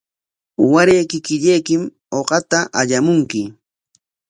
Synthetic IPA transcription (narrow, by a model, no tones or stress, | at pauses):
waɾejkɪkɪʎejkɪm | oqɑt̪aʔaʎamʊŋkɪ